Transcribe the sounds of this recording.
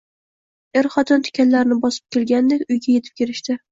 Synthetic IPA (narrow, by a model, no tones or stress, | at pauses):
eɾχɒt̪ʰɪnt̪ʰʊ̥kʲanlaɾɪnɪbɒsɪ̥p̚kʲelɡʲand̪ekʲʊjɡʲajet̪ʰɪp̚kʲeɾɪʃt̪ɪ